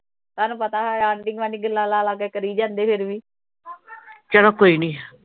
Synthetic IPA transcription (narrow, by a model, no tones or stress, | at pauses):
saːnũːpət̪aːɦaːɳɖɪŋɡʋaːniːɡəlːaːlaːlaːɡɛːkəɾiːd͡ʒãːnd̪eːpʰɪɾʋiː | t͡ʃəɽoːkoːiːnĩː